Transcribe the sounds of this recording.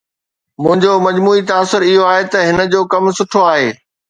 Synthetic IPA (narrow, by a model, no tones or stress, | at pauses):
mʊ̃ɦɪ̃ɲd͡ʑomɐd͡ʑmuːit̪aːsʊɾɪɦoaːɦet̪ɐɦɪnə̆d͡ʑoːkɐmsʊʈʰoaːɦeː